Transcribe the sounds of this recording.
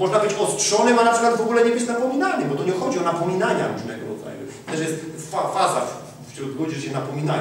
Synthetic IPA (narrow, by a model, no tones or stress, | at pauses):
mɔʐnabɘt͡ɕɔstʂɔnɘmanapʂɘkwad̪vɔɡulɛɲɛbɘt͡ɕnapɔmʲinanɪbɔt̪ɔɲɛxɔd͡ʑiɔnapɔmʲinaɲa̰ɾuʐnɛɡɔ̰ɾɔ̰d̪za̰ju | t̪ɛʂjɛst̪fafaza̰f | fɕɾɔt̪̚ɡɔd͡ʑɛɕɛnapɔmʲina